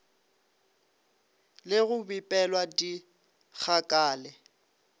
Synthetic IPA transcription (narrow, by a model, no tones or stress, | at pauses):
lɪɣʊbipʼɛlwadi | k͡xʰakʼaːlɛ